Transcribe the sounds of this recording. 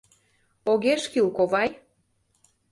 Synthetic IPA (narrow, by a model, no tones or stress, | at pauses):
oɣeʃkilkoβɑj